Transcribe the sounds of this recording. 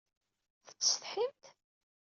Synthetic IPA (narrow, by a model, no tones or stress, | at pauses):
θə̥t͡sːsθħimt̪